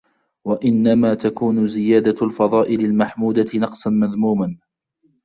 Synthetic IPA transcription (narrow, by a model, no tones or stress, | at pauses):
waʔɪnːamaːt̪akuːnʊzɪjaːd̪alfɑðˤɑːʔɪlalmaħmuːd̪anɑqsˤɑnmaðmuːman